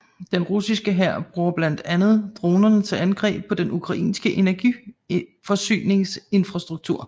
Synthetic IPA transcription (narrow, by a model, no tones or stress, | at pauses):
d̥enʁusisɡ̥əɦæɐ̰b̥ʁuːɐb̥læn̰d̥ænð̞̩ˠd̥ʁo̝ːnɐnət͡sʰe̝lænɡ̥ʁɛ̰ːb̥̚pʰɒ̽d̥enʔukʰʁɑ̈ʔḭːnsɡ̥əʔe̝næɐɡ̥i | fɒ̽sy̰ːne̝ŋse̝nfʁɑsd̥ʁuɡ̥̚t͡sʰuɐ̰